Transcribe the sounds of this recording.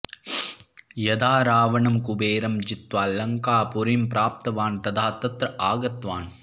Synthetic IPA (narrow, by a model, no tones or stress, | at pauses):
jɐd̪aːɾaːʋɐɳɐmkʊbeːɾɐmd͡ʒɪt̪ʋaːlɐŋkaːpʊɾɪmpɾʔaːp̚t̪ɐʋaːnt̪ɐd̪aːt̪ːɐt̪ɾɐʔaːɡɐt̪ʋaːn